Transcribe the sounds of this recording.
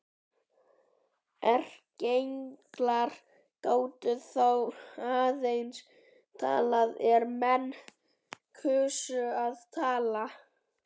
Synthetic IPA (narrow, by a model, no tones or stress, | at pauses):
ɛr̥cejŋklaɾ | koːwt̪ʏθowaːðejns | t̪ʰa̰ːlaðɛɾmɛnː | kʰʏːsʏaðt̪ʰaːla